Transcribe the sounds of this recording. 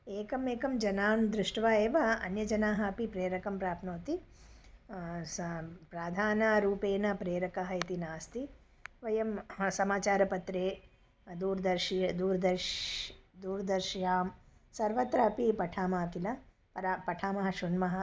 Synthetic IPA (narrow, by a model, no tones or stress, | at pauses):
eːkɐmeːkɐmd͡ʒɐnaːmd̪ɾuʂʈʋaːeːʋɐɐ̰njɐd͡ʒɐnaːɦɐɐpipɾeːɾɐkɐmpɾaːpʰnoːt̪i | spɾaːd̪ʱaːnɐɾuːpeːnɐpɾeːɾɐkɐɦɐit̪inaːst̪i | ʋɐjɐmsɐmaːt͡ʃaːɾɐpɐt̪ɾeː | d̪uːɾd̪ɐɾʃd̪uːɾɐd̪ɐɾ | d̪uːɾɐd̪ɐɾʃjaːm | sɐɾʋɐt̪ɾɐɐpipɐʈʰaːmaːkilɐ | pɐʈʰaːmɐɦɐʃunmɐɦɐ̆